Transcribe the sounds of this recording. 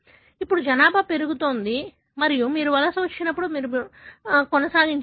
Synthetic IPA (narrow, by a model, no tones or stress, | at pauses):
ipːuɽud͡ʒɐnaːbʱɐpe̞ɾuɡut̪oːnd̪i | mɐɾijumiːɾuʋɐlɐsɐʋɐt͡ʃːinɐpːuɽumiːɾu | kɔnɐsaːɡiɲt͡ʃ